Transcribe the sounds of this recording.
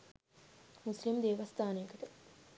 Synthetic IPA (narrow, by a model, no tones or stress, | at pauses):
muslimd̪eːʋɐst̪aːnejɐkəʈə